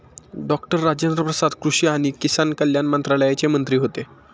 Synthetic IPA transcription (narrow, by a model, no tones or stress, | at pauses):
ɖɔkʈəɾːad͡ʑend̪ɾəpɾəsad̪kɾuɕiaɽ̃ikisankəljanmənt̪ɾaləjat͡semənt̪ɾiːɦot̪e